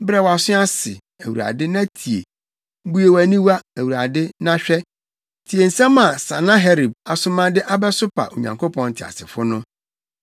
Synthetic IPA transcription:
bɛ˦wa˨sʊ̃˦a˦sɪ˨ | æ˨wu˨a̰˨dɪ˦nã˦tʰi˨ḛ˨ | m̩˦bu˦e˨wæ˨nĩ˦wa˦æ˨wu˨ɾa˨dɪ˦nã˦ɕᶣɛ˦ | tʰi˨e˨n̩˨sã˦mã˨sã˨nã˦ɦɛ˦ɾi˨b̚a˨sʊ̃˦mã˦dɪ˦ʔa˦bɛ˦sʊ˦pʰa̰˨ʔo˨ɲã̰˨ŋkʰo˦pʰɔ̃˦n̩˨tʰɪ˨a̰˨sɪ˨fʊ˦nʊ̃˦

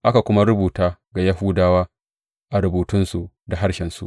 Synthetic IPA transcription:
ʔa˦ka˨kʷʊ˦ma˦ɾʊ˦buː˨taː˦ɡa˨ja˦ɦuː˦daː˦waː˦ | ʔa˨ɾʊ˨buː˨tʊ˦nsu˨ | da˨ɦa˦ɽʃɛ˨nsṵ˦ʔ

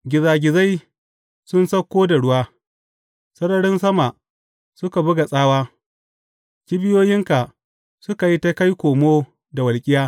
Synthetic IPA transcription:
ɡʲɪ˨zaː˨ɡʲɪ˨za˦j | sʊ˦nsɐ˦kʷːoː˦da˨ɽʊ˦waː˦ | sɐ˦ɾɐ˦ɽɪ˦nsɐ˦ma˨ʔ | sʊ˦ka˨bʊ˦ɡa˨sʼaː˦waː˦ | kʲi˦bɪ˦joː˦jɪ˦ŋka˨ | sʊ˦ka˨ji˦ta˦ka˦jkʷoː˨moː˦ | da˨wɐ˨lkʲʼɪ˦jaː˦

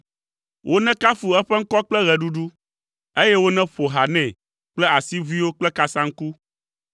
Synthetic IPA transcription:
wʔo˦nɛ̃˦ka˦fu˨ɛ˦ɸɛ˦ŋ̩˦kɔ˦k͡plɛ˦ɣɛ˨ɖu˦ɖu˦ | e˦jɛ˦wo˦nɛ̃˦ɸo˨ɦa˨nɛ̃˨ | k͡plɛ˦a˨si˦vi˦wo˦k͡plɛ˦ka˨sã˦ŋ̩˦ku˦

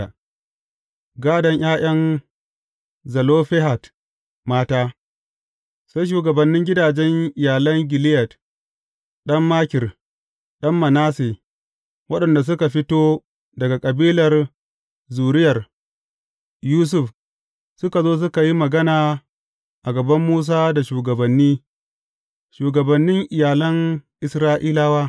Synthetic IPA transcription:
a˨ | ɡaː˦dɐ˨ɲj̰aː˦j̰ɐ˦ŋ | zɐ˨loː˦ɸɛ˦ɦa˨t | maː˦taː˦ | sa˦jʃ̬uː˨ɡɐ˨bɐ˨nːɪ˦ŋɡʲɪ˦daː˨d͡ʒɛ˦ŋʔɪ˨jaː˨lɐ˦ŋɡʲɪ˨lɪ˦jɐ˨t | ɗɐ˦mːaː˦kʲɪ˨r | ɗɐ˦mːɐ˨naː˦seː˨ | wɐ˦ɗɐ˨nda˨s̬ʊ˦ka˨ɸɪ˦toː˦ | dɐ˨ɡa˨kʼɐ˨biː˦lɐ˨r | zuː˨ɾɪ˦jɐ˨r | juː˦s̬ʊ˨f | sʊ˦ka˨zoː˦s̬ʊ˦ka˨ji˦mɐ˨ɡɐ˦naː˨ | ʔa˨ɡɐ˨bɐ˦mːuː˦s̬aː˦da˨ʃuː˨ɡɐ˨bɐ˨nːiː˦ | ʃuː˨ɡɐ˨bɐ˨nːɪ˦ŋʔɪ˨jaː˨lɐ˦ŋʔɪ˨sɾaː˦ʔiː˦laː˦waː˦

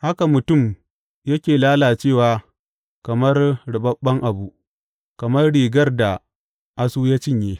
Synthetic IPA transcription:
ha˦ka˨mʊ˨tʊ˦˨m | jɐ˦kʲeː˨laː˦laː˨t͡ʃeː˦˨waː˨ | kɐ˨mɐ˦rɽɪ˨bɐ˦ɓːɐ˦ŋʔa˨bu˦ʔ | kɐ˨mɐ˦rɽiː˨ɡɐ˦rda˨ | ʔa˦suː˦ja˦t͡ʃɪ˦ɲjeː˦

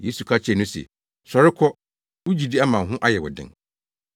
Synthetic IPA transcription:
jeː˦su˨kʰa˦t͡ɕʰɛ˨nʊ̃˦sɛ̰˨ | sɔ˨ɾɪ˦kʰɔ˦ | wu˦d͡ʑi˨di˦a˦mã˨nɦʊ̃˦ʔa˦jɛ˨wɔ̰˨dɪ̰̃˦ŋ

